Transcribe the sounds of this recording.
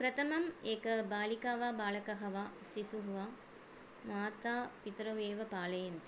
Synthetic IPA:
pɾɐt̪ʰɐmɐmeːkɐbaːlikaːʋaːbaːlɐkɐɦɐʋaːsisuɦʋaː | maːt̪aːpit̪ɾɐʋeːʋɐpaːlɐjɐnt̪

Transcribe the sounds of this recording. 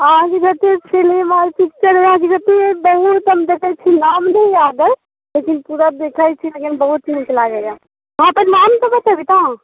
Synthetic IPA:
əɦãkeɡɐt̪et͡ʃʰelemaɾipik̚t͡ʃəɾɦãk̬iɡət̪ebəɦut̪ɦəmd̪eːkʰat͡ʃʰinaːmnəɦĩjaːd̪ə | lekinpuːɾad̪ekʰat͡ʃʰilekinbəɦut̪̚t͡ʃint͡ʃɐlaɡɛja | ɦãpəɾnaːmt̪obət̪abʱit̪a

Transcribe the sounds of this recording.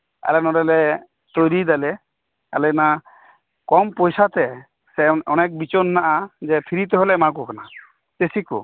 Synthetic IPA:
ɛ̰lɛnɔɾɛlɛ | t̪ojɾid̪ɛlɛ | a̰lɛna | kɔmpojsat̪ɛ | sɛɔnek̚bit͡ʃɔnːaʔad͡ʒɛpʰiɾit̪̬ɔɦolɛmakukana | t̪esikṵ

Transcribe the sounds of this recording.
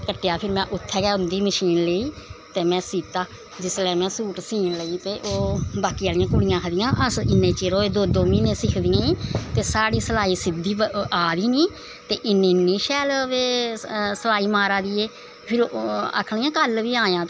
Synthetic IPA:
kəʈːjaːpʰɪɾmɛ̃ːʔʊt̪ʰːɛːɡaːʊ̃nd̪iːməʃiːnləiːt̪eːmɛ̃ːsiːt̪aː | d͡ʒɪslɛ̃ːmɛ̃ːsuːʈsiːnləiːt̪eːʔoːbaːkiːaːlɪjãːkʊɽɪjãːkʰəd̪ɪjãːʔəsɪnːẽːt͡ʃeːɾoːeːd̪oːd̪oːmĩːnẽːsɪkʰd̪ijãːiːt̪eːsaːɽiːsəlaːiːsɪd̪ːiːəaːd̪iːnĩː | t̪eːʔɪnːẽːnːiːʃɛːlʋeːsəlaːiːmaːɾaːd̪iːeː | pʰɪɾa̰kʰɽijãːkəlʋiːaːjãːt̪

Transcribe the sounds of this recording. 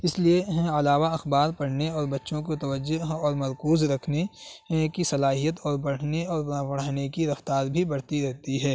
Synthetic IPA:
ɪslieɦɛ̃ɐlaːʋaɐxbaːɾpɐɽ̤neɔːɾbɐtːʃõk̬et̪ɐʋəd͡ʒːoɦɔːɾmɐɾkuːzɾɐkʰnekisɐlaːɦijət̪ɔːɾbɐɽ̤neɔːɾãpɐɽ̤aːnekiɾɐft̪aːɾbʱibɐɽ̤t̪iɾɛɦt̪iɦɛː

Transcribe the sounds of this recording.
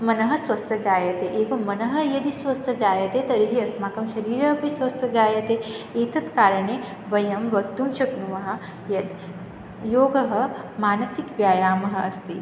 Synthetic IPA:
mɐnɐɦɐ̆sʋɐst̪ʰɐd͡ʒaːjɐt̪eʔeːʋɐmɐnɐɦɐjɐd̪isʋɐst̪ʰɐd͡ʒaːjɐt̪et̪ɐɾiɦiɐsmaːkɐmʃɐɾiːɾɐɦpisʋɐst̪ʰɐd͡ʒaːjɐt̪eeːt̪ɐt̪kaːɾɐɳe | ʋɐjɐmʋɐkt̪umʃɐknuʋɐɦɐ̆ | jɐd̪ | joːɡɐɦɐ̆maːnɐsikʋjaːjaːmɐɦɐ̆ʔɐst̪i

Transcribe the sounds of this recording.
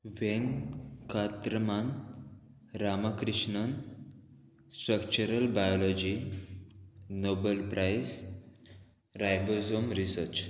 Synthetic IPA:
ʋenkat̪ɾəman | ɾamakɾiʂɳən | sʈɾəkt͡ɕuɾəlbajɔlɔd͡ʑi | nobəlpɾʔajs | ɾajbəzomɾisəɾt͡ʃ

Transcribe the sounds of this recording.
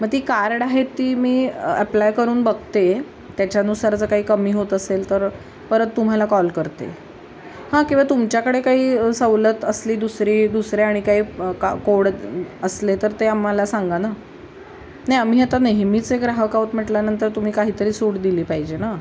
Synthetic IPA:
məɡ̚t̪iːkaɾɽaɦet̪ːiːmiːəplajkəɾuːnbəɡt̪e | t̪jat͡ɕjaənusaɾt͡səkaɦiːkəmiːɦot̪əselt̪əɾ | pəɾət̪ːum̤alakɔlkəɾt̪ḛ | hãkĩw̃ʋat̪umt͡ɕjakəɽekaɦiːsəʋlət̪əsliːd̪usɾiːd̪usɾeaɽ̃ikaɦiːkakoɽəslet̪əɾt̪eamalasaŋɡana | naam̤iːat̪aneɦmiːt͡seɡɾaɦəkaʋət̪m̤əʈljanənt̪əɾt̪um̤iːkaɦiːt̪əɾiːsuɽd̪iliːpaɦid͡ʑena

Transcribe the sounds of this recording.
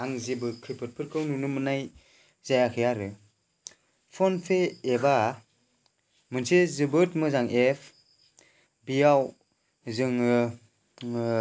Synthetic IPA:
aŋzebɯkʰɾipʰɯt̚pʰɯɾkʰɯwnunɯmɯnaj | zajakʰɯjaɾɯ | pʰɔnpʰeeba | mɯnsezɯbɯtmɯzaŋʔepʰ | bijaw | zɯŋ

